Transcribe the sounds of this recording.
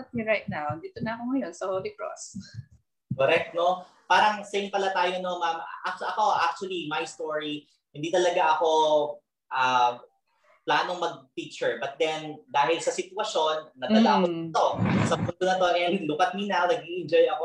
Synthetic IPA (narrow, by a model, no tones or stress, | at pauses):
tiɹajt̪̚nawnd̪iːt̪onɐɐkoŋɐjonsɐholɪkɹo̰s | koɾɛk̚t̪̚no | paːɾɐŋsɛjnpɐlat̪aːjono̞mam̰ʔɐk̚ʔɐko̞ʔak̚t͡ʃʊɐlimɐjst̪oɹi | hɪnd̪iːt̪ɐlɐɡaʔɐko̞ | ʔɐ | plaːno̞ŋmɐɡ̚pik̚t͡ʃɛɹbɐt̪̚d̪ɛnd̪aːɦɪlsɐsɪt̪wɐʃo̞nːɐd̪ɐlaʔɐkot̪o̞sɐpʊnd̪onɐt̪o̞ʔɛlʊkɐt̪̚minanɐɡ̚ʔiʔɛnd͡ʒojɐko